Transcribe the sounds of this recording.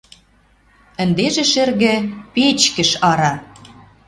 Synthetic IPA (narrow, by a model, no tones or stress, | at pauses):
ə̆nd̪eʒĕʃɘ̆rɣɘ̆pet͡ɕkə̆ʃɑɾɑ